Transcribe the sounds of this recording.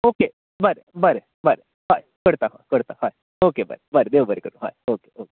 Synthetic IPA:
oːke | bəɾebəɾe | bəɾe | ɦaːjkəɽt̪aɦã̰ːjkəɽt̪ahaːj | okebə̰ɾebəɾed̪eʋwbəɾekəɾuɦa̰ːjoːke̥ʔoke

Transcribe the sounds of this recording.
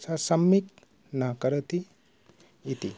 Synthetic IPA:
sasɐmːik̚ | nakɐɾət̪i | it̪i

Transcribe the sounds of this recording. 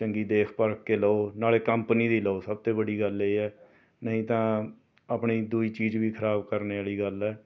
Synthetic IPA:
t͡ʃəŋɡiːd̪eːkʰpəɾkːeːləoːnaːleːkəmpniːd̪iːləoːsəb̚t̪eːbəɽiːɡəleiːɛː | nəɦĩːt̪ãː | apɳiːd̪uːiːt͡ʃiːd͡ʒʋiːkʰəɾaːbkəɾneːaːɭiːɡəlɛː

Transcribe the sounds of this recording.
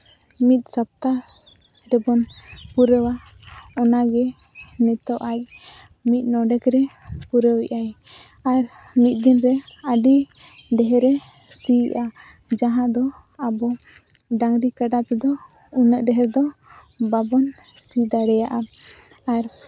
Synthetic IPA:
mit̪̚ˀsap̚t̪a | ɾɛbɔnpuɾəwaɔnaɡɛ | nɛt̪ɔʔac̚ | mit̪̚ˀnɔɖɛkɾɛpuɾəwɛʔaj | aɾ | mit̪̚ˀd̪inɾɛəɖi | ɖɛɦɛɾɛ | siʔa | d͡ʒaɦãʔd̪ɔabɔ | ɖaŋɾikəɖat̪ɛd̪ɔ | unəʔɖɛɦɛɾd̪ɔ | babɔn | sid̪aɽɛjaʔa | aɾ

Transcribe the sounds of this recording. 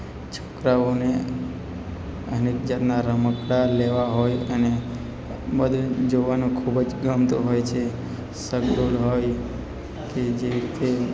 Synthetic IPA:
t͡ʃʰokɾaʋone | ənekd͡ʒat̪naɾəməkɽaleʋaɦojəne | bəd̪ʱud͡ʒoʋanũkʰubd͡ʒɡəmt̪uɦojt͡ʃʰe | səɡd̪olɦoj | ked͡ʒeɾit̪e

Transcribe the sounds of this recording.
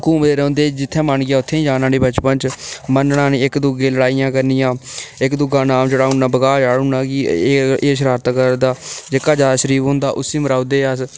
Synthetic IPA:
kuːmd̪eːɾɛõːnd̪eːd͡ʒɪt̪ʰːɛ̃ːməɳɡɪjaːʊt̪ʰːẽːd͡ʒaːnãːɽiːbət͡ʃpənt͡ʃmənɽaːneːɪkd̪ʊɡẽːləɽaːijãːkəɾnɪjãːɪkd̪ʊɡãːnãːmd͡ʒəɽaːʊnãːbəɡaːd͡ʒaːɽʊnãːkieːʃ̬əɾaːɾt̪əkəɾd̪aːd͡ʒekaːd͡ʒaːd̪aːʃəɾiːpɦõːnd̪aːʔʊsiːməɾaːʊd̪eːəs

